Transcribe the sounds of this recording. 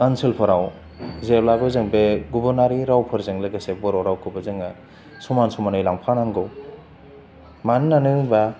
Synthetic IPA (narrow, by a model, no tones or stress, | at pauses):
anselpʰɐɾaw | zeɾlaɡɯzɯŋbeɡubɐɾnaɾiɾawpʰɯɾzɯŋlɐɡɐsebɔɾowɾawkʰɯbɐzɯŋɐ | sumansumanɯjlaŋpʰanaŋɡɯw | mannanɯba